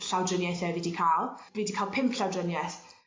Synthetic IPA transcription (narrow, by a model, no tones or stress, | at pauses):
ɬawdrənjajθɛviːdikʰalˠviːdikʰaːlˠpʰɪmpɬawdrənjaθ